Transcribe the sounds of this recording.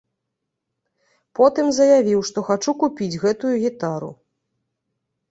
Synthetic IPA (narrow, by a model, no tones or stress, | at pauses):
pɔt̪ɨmzɐjavʲiwʂt̪ɔxat͡ʂukupʲid͡zʲɣɛt̪ujuɣʲit̪aɾṵ